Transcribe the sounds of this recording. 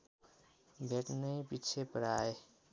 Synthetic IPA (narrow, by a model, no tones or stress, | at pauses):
bʱeʈnəjpit͡ʃʰepəɾae